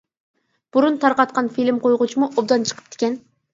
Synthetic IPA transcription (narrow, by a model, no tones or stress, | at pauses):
b̥uɾunt̪ʰɑɾqɑt̪̚qʰɑnfilɪmqʰojʁʊt͡ʃʰimuʔobd̪ɑnt͡ʃʰə̥qʰə̥p̚d̪̥ʰɪ̥kʲɛn